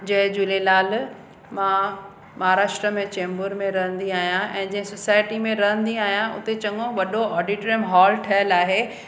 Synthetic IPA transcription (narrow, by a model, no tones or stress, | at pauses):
d͡ʑɐɦɪ̃d͡ʑulelaːl | mã | mɐɦaːɾaːʃʈɾəmẽt͡ɕẽːmbʊɾmẽɾɐɦə̃nd̪iaːɦijãʔɛ̃ːd͡ʑɐ̃ɦɪ̃sosaːɪʈimẽɾɐɦə̃nd̪iaːɦijãʔʊ̰t̪et͡ɕɐŋɡõʋɐɗoɔːɖiʈɾiə̃mɦaːlʈʰɐjəlaːɦeː